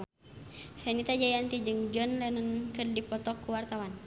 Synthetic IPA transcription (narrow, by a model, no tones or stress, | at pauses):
sɛnit̪ad͡ʒaiant̪id͡ʒɨŋd͡ʒɔnlɛnənkɨrdipɔt̪ɔkːuwart̪awan